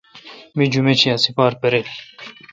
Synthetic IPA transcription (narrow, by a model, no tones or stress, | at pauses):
mid͡ʑumet͡ɕʰijasipaːɾpeɾel